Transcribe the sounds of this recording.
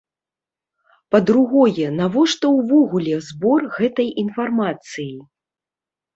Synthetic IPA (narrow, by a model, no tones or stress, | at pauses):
pɐd̪ɾuɣɔjɛnavɔʂt̪ɔwvɔɣulʲɛzbɔrɣɛt̪ɐjinfarmat̪sɨji